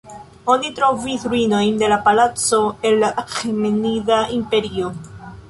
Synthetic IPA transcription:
onit̪ɾovisɾuino̞jnd̪e̞lapalat͡soelːaxemeniðaimpe̞ɾio

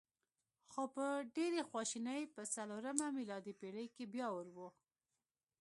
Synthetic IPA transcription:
xopəɖeɾexwɑʃinəjpəsaloɾamamilɑd̪ipeɽəjkebjɑwəɾwu

